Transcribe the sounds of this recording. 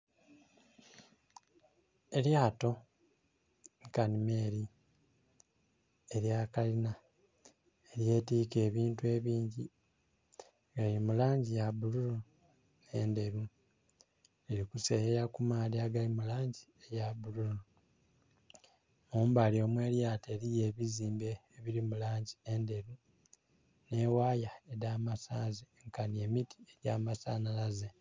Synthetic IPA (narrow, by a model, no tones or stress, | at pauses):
e̞ljaːto̞ | nikanime̞ːɾi | eɾjakalina | eɾje̞ːtiːke̞ːβiːntue̞ːβiːɲɟi | ɡalimulaːɲɟijaβuluɾo | neːnde̞ɾu | eɾikusejejakumaːdiaɡalimulaːɲɟiejaβuluɾo | muːmbaljo̞ːmwe̞ːljaːteɾije̞ːβiziːmbe̞ːβiɾimulaːɲɟiende̞ɾu | ne̞waːjaedaːmasaːziŋkanie̞mitʰi̥eɟaːmasaːnalaze